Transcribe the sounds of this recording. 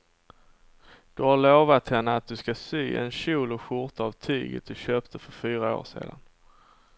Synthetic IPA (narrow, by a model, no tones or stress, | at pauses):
d̪̥ɵhaɭoːvat̪hɛnːəat̪̚d̪ɵskasyːʔɛ̰nɕuːlɔɧʊɾt̪avt̪ʰy̰ːɡə̰t̪̚d̪ɵɕøːpt̪ʰəfœɾfyːɾao̰ːʂḛːd̪a̰n